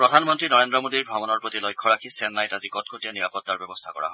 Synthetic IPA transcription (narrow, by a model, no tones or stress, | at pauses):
pɹɔdʱanmɔntɹinɔɹendɹɔmodiɹbʱabɔnɔɹpɹot̪ilɔjkʰːɔɹakʰisɛnːajtazikɔt̚kʰotijaniɹapɔt̪ːaɹbɛbɔst̪ʰakɔ̰ɹa̰ɦɔ